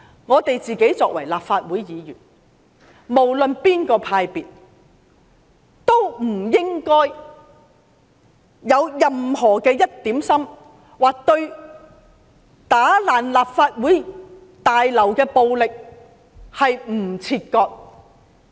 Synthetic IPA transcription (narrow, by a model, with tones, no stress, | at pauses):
ŋɔː˨˧t̪e˨jt͡siː˨ke˨˥jt͡sɔː˧k̚wɐ̰˨˩jlaː˨p̚faː˧t̚wuː˨˥jjiː˨jyː˨˩n | mo˨˩wlɵ˨npiː˥nkɔː˧pʰaː˧jpiː˨t̚ | t̪o˥wm̩˨˩jɪ˥ŋkɔː˥j | jɐ˨˧wjɐ˨mɦɔː˨˩kɛː˧jɐ˥t̚t̪iː˨˥msɐ˥m | waː˨k̚t̪ɵ˧ɥ | t̪aː˨˥laː˨nlaː˨˩p̚faː˧t̚wuː˨˥j | t̪aː˨jlɐ˨˩wkɛː˧po˨wlɪ˨k̚ | hɐ˨jm̩˨˩t͡sʰiː˧t̚kɔː˧k̚